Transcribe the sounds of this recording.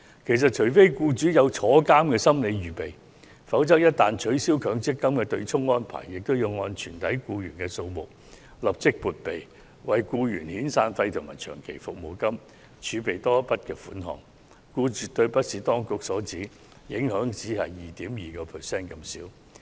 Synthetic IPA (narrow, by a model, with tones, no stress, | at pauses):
kʰe˨˩js̬ɐ˨t̚t͡ʃʰɵ˨˩jfe˥jkuː˧t͡ʃyː˨˥jɐ˨˧wt͡sʰɔː˨˥kaː˥mkɛː˧sɐ˥mle˨˧jɥyː˨pe˨˩j | fɐ˨˥wt͡sɐ˥k̚jɐ˥t̚t̪aː˨nt͡ʃʰɵ˨˥ɥsiː˥wkʰœː˨˥ŋt͡sɪ˥kːɐ˥mkɛː˧t̪ɵ˧ɥt͡sʰʊ˥ŋːɔː˥npʰa̰ː˨˩jːɪ˨k̚t̪o˥wji˧wŋɔː˧nt͡ʃʰyː˨˩nt̪ʰɐ˨˥jkuː˧jyː˨˩nkɛː˧so˧wmʊ˨k̚ | lɐ˨p̚t͡sɪ˥k̚puː˨t̚pe˨˩j | wɐ˨jkuː˧jyː˨˩nhiː˨˥nsaː˧nfɐ˧jt̪ʰʊ˨˩ŋma̰ː˨˩jt͡ʃʰœ̰ː˨˩ŋkʰe˨˩jfʊ˨k̚mo˨˩wkɐ˥m | t͡ʃʰyː˨˧˥pe˨jt̪ɔː˥pɐ˥t̚kɛː˧fṵː˨˥nɦɔ̰ː˨ŋ | kuː˧t͡syː˨t̪ɵ˧ɥpɐ˥t̚siː˨t̪ɔː˥ŋkʊ˨k̚sɔː˨˥t͡siː˨˥ | jɪ˨˥ŋhœː˨˥ŋt͡siː˨˥hɐ˨jːiː˨t̪iː˨˥mjiː˨˩kɔː˧pʰɛ˨sɛː˥˩nkɐ˧msiː˨˥w